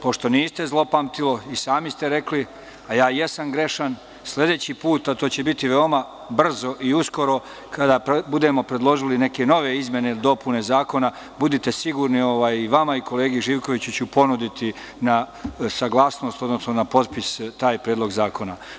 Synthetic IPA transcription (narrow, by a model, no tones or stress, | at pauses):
po̞ʃt̪o̞niːst̪e̞zlˠo̞pamt̪ilo̞isaːmist̪e̞ɾe̞kli | ajaːje̞samɡɾe̞ʃan | slʲe̞d̪e̞ːt͡ɕipuːt̪at̪oːt͡ɕe̞bit̪iʋe̞o̞ma | br̩zo̞ʔiusko̞ɾo̞ | kʰad̪apbud̪e̞mo̞pɾe̞d̪lˠo̞ʒiline̞ke̞no̞ʋe̞izmje̞ne̞id̪o̞pune̞zaːko̞na | bud̪it̪e̞siɡuːɾnio̞ʋaːjiʋamaiko̞le̞ːɡiʒiːʋko̞ʋit͡ɕut͡ɕupo̞nud̪it̪i | nasaɡlˠaːsno̞st̪o̞d̪no̞snonapo̞t̪pist̪aːjpɾeːd̪lo̞ɡzaːko̞na